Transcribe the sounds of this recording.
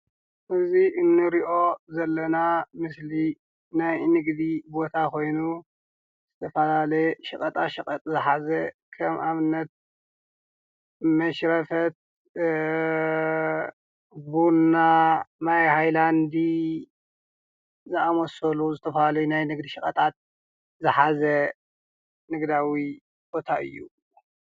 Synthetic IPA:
ʔɨziʔɨnːɨɾiʔo̞zɐlːɐnamɨsli | najnɨɡd̪ibo̞t̪ʰakʰo̞jnu | z̥ɨt̪ʰɐfɐlalɐʃɨkʼɐt̪ʼaʃɨkʼɐt̪ʼzɨħazɐ | kʰɐmaβɨnːɐt̪̚ | mɐʃɾɐfɐt̪̚ | bunamajhajland̪i | zɨamosɐluzɨt̪ʰɐfɐlalɐjunajnɨɡd̪iʃɨkʼɐt̪ʼat̪̚ | zɨħazɐ | nɨɡd̪awi | b̥o̞t̪ʰaʔɨ̰jːu

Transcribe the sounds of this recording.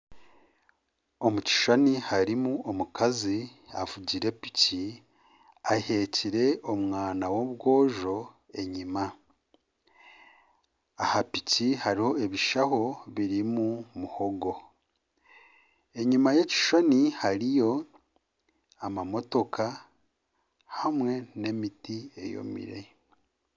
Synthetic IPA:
o̞muci̥ʃonihaɾimuomukaziavuɟiɾe̞pi̥ci | ahe̞ciɾe̞omŋaːnawoβɡo̞ːʒo̞ | e̞ɲima | hapicihaɾiho̞e̞βiʃaho̞βiɾimumuho̞ɡo̞ | e̞ɲimaje̞ci̥ʃo̞nihaɾijo̞ | amamo̞to̞kʰa | hamwe̞ne̞mitie̞̰jo̞̰mḭɾe̞̰

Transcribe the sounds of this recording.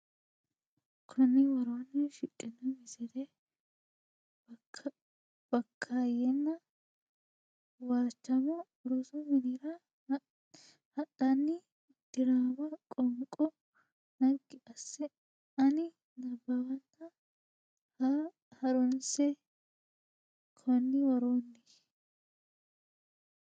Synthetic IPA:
kʰʊnɪwɐɾonːɛʃɪtʼːɪnːɐmɪsɛd̪ɛ | b̥ɐkʰːajɛnːɐ | waːt͡ʃːɐmɔ | ʊɾʊsʊmɪnɪɾɐ | hɐtːɐnːɪ | d̪̥ɪɾaːbɐkʼɔŋkʼɔ | nɐɡɪʔɐsːɛ | ɐnɪ | nɐbːɐwɐntɐ | hɐɾɔnsɛ | kʰɔnːɪwɐɾoːnːɪ

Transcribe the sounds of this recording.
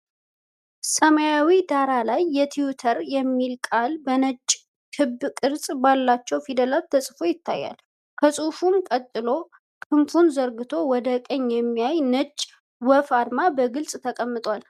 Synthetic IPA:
səməjawid̪aɾalajːɛt̪ʰiut̪ʰəɾjɛmːilkʼalbənət͡ʃʼː | t̪ʰɨbɨkʼɨɾsʼbalːat͡ʃːɛwfid̪əlalt̪ʰəsʼfojɪt̪ʰːa̰jːa̰l | kʰəsʼufumkʼət̪ʼːɨlo̞ | kʰʼɨmfunzəɾɡɨt̪ʰo̞wɔd̪əkʼəɲːjɛmːijajnət͡ʃʼː | wɔfaɾmabəɡɨlsʼt̪ʰəkʼəmːɨt̪ʼwal

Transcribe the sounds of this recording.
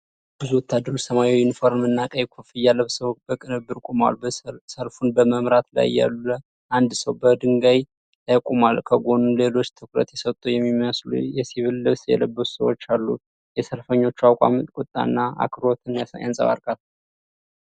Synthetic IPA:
b̥ɨzuwɔt̪ʰːad̪ːəɾot͡ʃːsəmajwɪnfo̞ɾmmɨnːakʼəjkʰufɨjːalːəβsəbəkʼɨnɨbːɨɾkʼuma̰lsəlfunbəməmɾat̪la̰jːa̰lːə | ʔand̪səwbəd̪ɨŋɡaj | t̪ʰakʷʼumalkʰəɡo̞nule̞lo̞t͡ʃːt̪ʰɨkɾə̰t̪jɛsət̪ʼujɛmːiməslṵjɛsiβɨlːɨβsjɛ̰ləbːət̪u̥sə̰wot͡ʃːalːṵ | jɛsəlfəɲːo̞t͡ʃːuawkʼa̰mɨt̪ʼkʼut̪ʼːa̰nːaa̰kʰɾot̪ʰɨnjaa̰nsʼə̰βa̰ɾkʼal

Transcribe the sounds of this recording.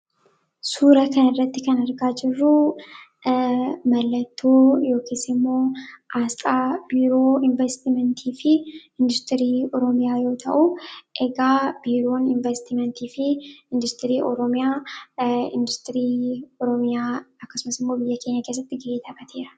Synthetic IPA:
suːɾɐkɐnɪrːɐt̪ːɪkɐnɐɾɡaːd͡ʒɪrːʊ | mɐlːɐt̪ʰːoːjo̞ːkʰeːsɪmːo̞ːʔaːst̪ʼaːb̥iːɾo̞ːɪɱvɛst̪ɪmɛnt̪ʰiːfɪɪnd̪ʊst̪ɪɾiːɔɾɔmɪjaːjo̞ːt̪ʰɐʔuʔɛɡaːb̥iːɾo̞ːnɪɱvɛst̪ɪmɛnt̪iːfɪɪnd̪ʊst̪ɪɾiːʔɔɾɔmɪjaː | ɪ̰nd̪ʊst̪ʼɪɾiːɔɾɔmɪjaːɐkːɐsʊmɐsɪmːo̞ːbɪjːɐkʰe̞ːɲːɐkes̬ːɐt̪ːɪɡɪeːt̪ʰɐkʼɐt̪ʰeːɾɐ̥

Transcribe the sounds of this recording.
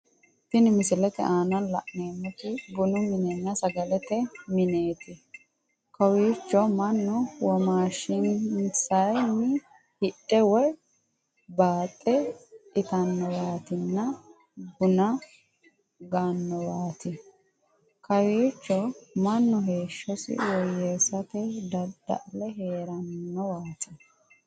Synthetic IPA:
tɪnɪmɪsɪlɛt̪ɛ̰ʔaːnɐnlɐ̰ʔneːmːʊt̪ɪɡʊnʊmɪnɛnːɐsɐɡɐlɛt̪ɛmɪneːt̪ɪ | kɐwiːt͡ʃːɔmɐnːʊwɔmaːʃɪnsɐjnɪ | hɪɗɛwɔj | baːt̪ʼːɛɪt̪ɐnːɔwaːt̪ɪnːɐ | ɡʊnɐ | ɡanːɔwaːt̪ɪ | kɐwiːt͡ʃːɔmɐnːɔɦe̞ːʃːɔsɪ̰wɔjːesɐt̪ɛd̪ɐd̪̥ɐ̰ʔlɛɦeːɾɐnːɔwaːt̪ɪ

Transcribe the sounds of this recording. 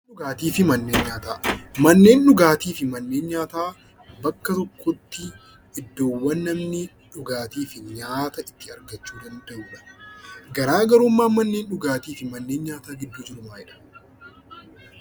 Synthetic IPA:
ʊɡaːt̪iːfɪmɐnːe̞ːnɲaːt̪aːmɐnːe̞ːnᶑʊɡaːt̪iːfɪmɐnːe̞ːnɲaːt̪aː | bɐkːɐt̪ɔkʰːɔt̪ːɪ | ʔɪd̪ːo̞ːwːɐnːɐmnɪ | ᶑʊɡaːt̪iːfɪɲaːt̪ɐɪt̪ːɪɐɾɡɐt͡ʃːuːd̪ɐnd̪ɐʔuːᶑɐ̥ɡɐɾaːɡɐɾʊmːaːmɐnːe̞ːnᶑʊɡaːt̪iːfɪmɐnːeːnɲaːt̪aːɡɪd̪ːuːd͡ʒɪɾʊmaːɪᶑɐ̥

